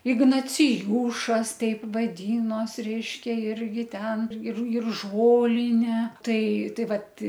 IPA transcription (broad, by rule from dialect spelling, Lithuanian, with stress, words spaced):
ɪɡnɐt͡sʲɪˈjuːʃɐs ˈtʲɛɪp ʋɐdʲiːnoːs ˈrʲɛɪʃʲkʲɛ ˈɪrʲɡʲɪ ˈtʲɛn ɪr ɪr ˈʒoːlʲɪnʲeː ˈtɐɪ ˈtɐɪ ˈʋɐt